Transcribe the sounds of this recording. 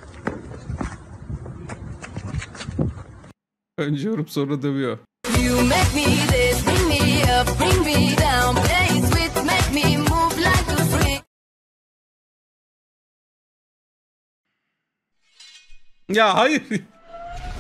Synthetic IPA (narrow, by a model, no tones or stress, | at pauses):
ənd͡ʒoɾupsoɾəd̪əbio | jɨmeɪk̚miðɪbɹɪ̃ŋmiʌbɹɪ̃ŋmidãʊ̃npʰl̥eɪswɪt͡ʃmeɪk̚mimuvlaɪk̚ɨbɹĩ | jaɦaj